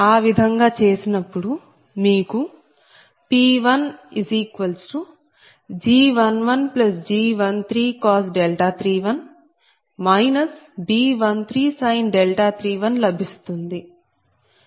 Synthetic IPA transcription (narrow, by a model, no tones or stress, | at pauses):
aːʋid̪ʱɐŋɡaːt͡ʃe̞ːsinɐpːuɽu | miːku | piːʋɐniziːkʋɐlsʈu | d͡ʒiːʋɐnʋɐnplɐsd͡ʒiːʋɐnt̪ʰɾiːkaːsɖelʈaːt̪ʰɾiːʋɐn | mɐjnɐsbiːʋɐnt̪ʰɾiːsɐjnɖelʈaːt̪ʰɾiːʋɐnlɐbʱist̪und̪i